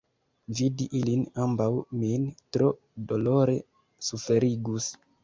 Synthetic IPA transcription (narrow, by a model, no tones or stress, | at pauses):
vidiʔilinambawmintɾo̞ | do̞loɾe̞ | sufe̞ɾiɡus